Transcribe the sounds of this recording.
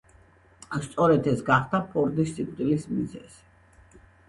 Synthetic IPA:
st̪sʼɔɾɛd̪ʰɛsɡaχd̪apʰɔɾd̪issit̪ʼqʼilismizɛ̰z̥i

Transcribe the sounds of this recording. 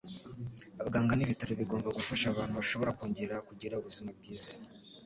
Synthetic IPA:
aβɡaːŋɡaniβitaɾoβiɡo̞ːmbaɡufaʃaβaːnhuβaʃo̞βo̞ɾakoːɲɟe̞ɾakuɟiɾauβuzimab̚ɡiːz̥i̥

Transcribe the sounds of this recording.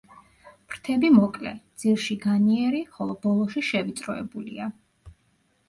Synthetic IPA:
pɾt̪ʰɛbimɔkʼlɛ̰d̪z̥iɾʃiɡaniɛɾiχɔlˠɔb̥ɔlˠɔʃiʃɛvit̪sʼɾɔɛ̰bulḭa

